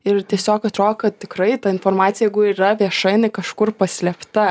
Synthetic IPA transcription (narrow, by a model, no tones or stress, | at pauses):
ɪrt̪ʲiɛsʲoːkɐt̪ɾoːd̪okɐt̪̚tʲɪkɾɐɪt̪ɐɪnfoːrmɑːt̪sʲjɛɪɡʊirɐʋʲiɛʃɐɪnɐɪkɐʃkʊrpɐsʲlʲɛpt̪ɐ